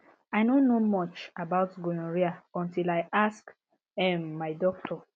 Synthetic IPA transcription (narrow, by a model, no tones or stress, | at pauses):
aɪnõnnːomɔt͡ʃabaʊtɡũɹiaɔ̃ntilaɪʔask | ɛmːaɪdɔk̚tʰɔ